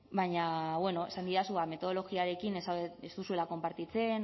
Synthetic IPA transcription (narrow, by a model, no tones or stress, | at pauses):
baɲaβwe̞no̞esand̪iɾasuame̞t̪o̞ð̞o̞lo̞ɣiaɾe̞kinesest̪usue̞lako̞mpaɾt̪it͡se̞n